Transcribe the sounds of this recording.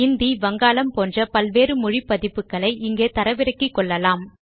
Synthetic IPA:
ɪnd̪iʋɐŋɡaːlɐmpoːndrɐpɐlʋeːɾɯmʊɻipːɐðɪpːɯkːɐɭɐɪʔɪŋɡeːt̪ɐɾɐʋɪɾɐkːikːɔɭːɐlaːm

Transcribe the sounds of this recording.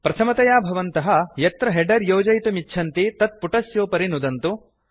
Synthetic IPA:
pɾɐt̪ʰɐmɐt̪ɐjaːbʱɐʋɐnt̪ɐɦɐ̆jɐt̪ɾɐɦeɖɐɾjoːd͡ʒɐjt̪umiːt͡ʃʰɐnt̪it̪ɐt̪̚puʈɐsjoːpɐɾinud̪ɐnt̪u

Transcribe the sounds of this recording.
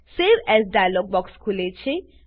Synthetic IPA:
sebɛsɖajaloɡ̚bɔkskʰulet͡ʃʰe

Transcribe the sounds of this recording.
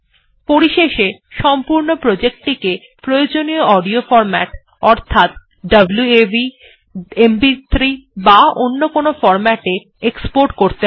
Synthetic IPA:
poɾiʃeʃeʃɔmpuɾnopɾod͡ʑek̚ʈike | pɾojod͡ʑonijoɔɖiofɔɾmɛʈ | ɔɾt̪ʰat̪̚ | ɖɐbluebi | embit̪ʰɾibaonːokonofɔɾmɛʈe | ekspoɾʈkoɾt̪e

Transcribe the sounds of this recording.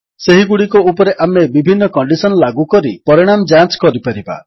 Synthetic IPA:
seɦiɡuɽikɔupɔɾeʔamebibʱinːɔkɔɳɖisɔnɔlaɡukɔɾipɔɾiɽ̃amd͡ʒanskɔɾipaɾiba̰

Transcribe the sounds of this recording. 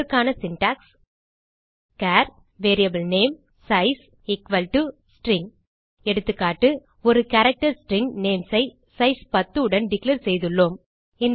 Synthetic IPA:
kːaːnɐsɪnʈaːks | kaːɾ | ʋeːɾijɐbɪlneːm | sɐɪs | ɪkʋɐlʈusʈɾɪŋɡ | ɛɽɯt̪ːɯkːaːʈːɯ | ɔɾɯkɐɾɐk̚ʈɐɾsʈɾɪŋɡneːmsɐɪ | sɐɪspɐt̪ːɯɯɽɐnɖɪkleːɾsɛjðɯɭːoːm | ɪnd̪

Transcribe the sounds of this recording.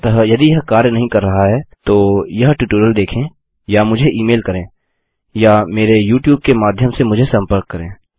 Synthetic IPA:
t̪ɐɦjɐd̪ijɐɦkaːɾjənɐɦĩkɐɾːɐɦaɦɛːt̪oːjɐɦʈuʈoːɾəld̪eːkʰẽː | jamʊd͡ʒʱeʔiːmeːlkɐɾẽː | jameːɾejuːʈjuːb̚kemaːd̪ʱjəmsemʊd͡ʒʱesɐ̃mpəɾkːɐɾẽː

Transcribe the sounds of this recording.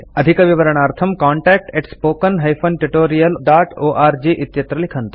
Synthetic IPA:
ɐd̪ʱikɐʋiʋɐɾɐɳ̃aːɾt̪ʰɐmkaːɳʈɛːk̚ʈeʈspoːkɐnɦɐjfʰonʈuʈoːɾijɐlɖaːʈoːʔaːɾd͡ʒiːʔɪt̪jɐt̪ɾɐlɪkʰɐnt̪ɐ̥

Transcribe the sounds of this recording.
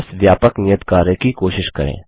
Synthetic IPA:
sʋjaːpəknɪjət̪kaːɾekikoːʃɪʃkɐ̰ɾḛ̃ː

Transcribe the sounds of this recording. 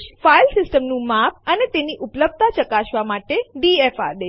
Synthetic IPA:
ʃfailsɪsʈəmnũmapʰənet̪eniʔʊpləb̚t̪at͡ʃəkaʃʋamaʈeɖiefa̰d̪e

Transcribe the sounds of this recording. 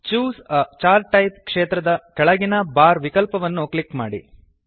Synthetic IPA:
t͡ʃuːst͡ʃaːɾʈɐjp̚kʂeːt̪ɾɐd̪ɐkɛɭɐɡinɐbaːɾʋikɐlpɐʋɐnːuklikmaːɽḭ

